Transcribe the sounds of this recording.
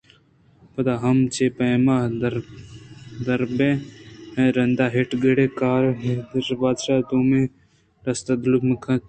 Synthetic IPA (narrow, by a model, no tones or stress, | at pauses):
pɐd̪aːɦɐmt͡ʃeːpɐmad̪ɾ | d̪ɐɾbẽhẽɾɐnd̪aːɦeʈɡəɽekaːɾɦed̪ɾbaːd̪ʃaːt̪uːmẽ | ɾɐst̪ɐd̪lukməkʰɐ̃t̪̚